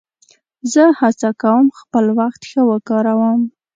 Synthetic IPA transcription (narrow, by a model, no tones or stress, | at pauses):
zəhat͡sakawəmxpəlwaxt̪xəwəkɑɾawəm